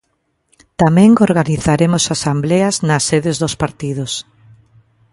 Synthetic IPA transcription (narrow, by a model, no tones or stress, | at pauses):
t̪amɛ̃ŋoɾɣaniθaɾemosasambleɐznasːeðɪzðospaɾt̪ið̞ʊs